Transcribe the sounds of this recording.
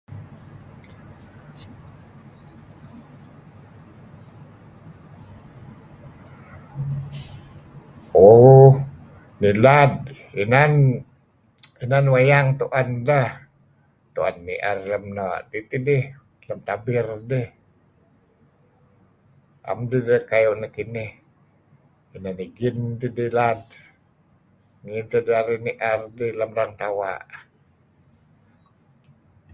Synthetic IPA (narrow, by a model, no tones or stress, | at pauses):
o | nilad̚ | inan | inanwajaŋt̪uʔandah | t̪uʔa̰nːiʔa̰rləmnaʔdit̪idɪh | ləmt̪abɪrdəh | ʔa̰mdidəhkajoʔnakinɪh | inaniɡint̪idihlad̚ | ŋint̪ədiaɾiniʔərdəhləmraŋt̪awa̰ʔ